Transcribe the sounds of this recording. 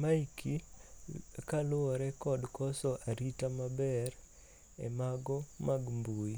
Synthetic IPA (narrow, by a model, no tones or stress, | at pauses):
maikʰi | kalʊɔɾɛkɔdkɔsɔʔaɾitamabɛr | ɛ̰maɡɔmaɡmbui